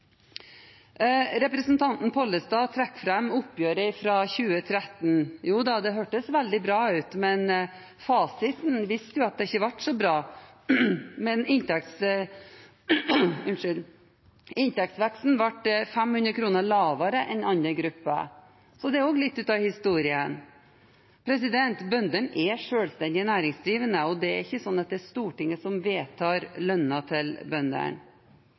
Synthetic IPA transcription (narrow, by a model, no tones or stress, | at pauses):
ɾɛpɾəsn̩t̪ʰɑnt̪n̩pʰɔlːəst̪ɑːt̪ʰɾɛkːfɾɛmʊpːjøːɾəɪfɾɑçʉːət̪ʰɾɛt̪ːn̩juːd̪ɑd̪ɛɦøːʈəsʋæld̪ɪbɾɑːʉːt̪mɛn | fɑːsɪt̪nʋɪst̪əjʊɑt̪̚d̪ɛɪçəʋɑʈsɔbɾɑː | mɛnɪnt̪ʰɛk̚t̪s | ʉnʂʏl | ɪnt̪ɛk̚t̪sʋɛksn̩ʋɑʈfɛmhʉnd̪ɾəkʰɾuːnəɭɑːʋɑɾəʔɛnɑnəɡɾʉpːə̰ | sɔd̪ɛæɾoːɡlɪt̪ːʉːt̪ɑʋhɪst̪uːɾɪən | pʰɾɛsɪd̪ɛnt̪bœnd̪əɳʔɛʂøːlst̪ɛnd̪ɪənæːɾɪŋsd̪ɾiːʋənəɔd̪ɛæɾɪçːəsɔnːɑt̪̚d̪ɛːst̪uːʈɪŋːəsɔmʋeːt̪ʰɑːɾlœnːɑt̪ʰɪlbœnd̪ə̰ɳ